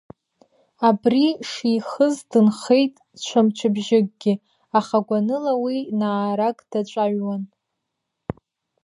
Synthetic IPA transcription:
abriʂiχəzdɨnχe̞jtʼ | t͡ʃʷʰamt͡ʃʷʰɨbʒɪɡ̚ʼɡʲɪ | aχaɡʷanɨlawinaːɾakʼd̥at͡ʃʷʼaɥwan

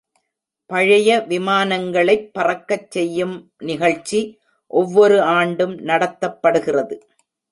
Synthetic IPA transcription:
pɐɻɐjɐʋɪmaːnɐŋɡɐɭɐɪpːɐrɐkːɐt͡ʃːɛjːɯmnɪɣɐɭt͡ʃːi | ʔɔʋːɔɾɯaːɳɖɯmnɐɽɐt̪ːɐpːɐɽɯɣɪrɐðɯ

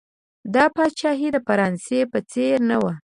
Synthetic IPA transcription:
d̪ɑpɑʃɑɦid̪əfaɾɑnsepət͡seɾnawa

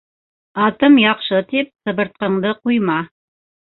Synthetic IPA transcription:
ɑt̪ɤmjɑqʃɤt̪ip̚sɤ̆βɤ̆ɾt̪̚qɤ̆ɴd̪ɤqujmɑ

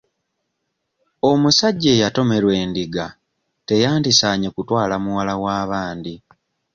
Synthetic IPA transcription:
o̞musaɟːeːjato̞me̞ɾwe̞ːndiɡa | te̞jaːndisaːɲe̞kutwaːlamuwalawaːβaːndi

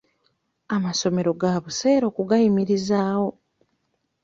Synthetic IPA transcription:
amaso̞me̞ɾo̞ɡaβuse̞ːɾo̞ːkuɡajimiɾizaːwo̞

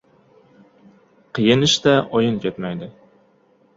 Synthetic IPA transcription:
qʰɨjɪnɪʃt̪æʔɒjɨnkʲet̪mæjd̪ɪ

